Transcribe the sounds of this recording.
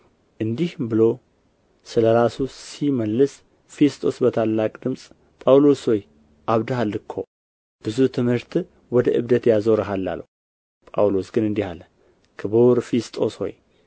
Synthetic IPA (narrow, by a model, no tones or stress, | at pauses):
ʔɨnd̪ihbɨlo̞ | sɨləɾasusiməlːɨs | fe̞st̪ʼo̞sbət̪ʰalːakʼd̪ɨmsʼ | pʼawlo̞sho̞j | ʔaβd̪ɨhalːɨkʰːo̞̰ | b̥ɨzut̪ʰɨmhɨɾt̪ | wɔd̪əʔɨβd̪ət̪jazoɾɨɦalːa̰lə̰ | pʼa̰wlo̞sɡɨnɨnd̪ihalə | kʰɨβoɾfest̪ʼo̞sho̞̰j